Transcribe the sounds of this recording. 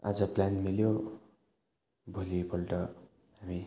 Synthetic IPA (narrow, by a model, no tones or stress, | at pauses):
a̰d͡zʌplanmiljo | bʱolibʱʌlʈʌ | ɦami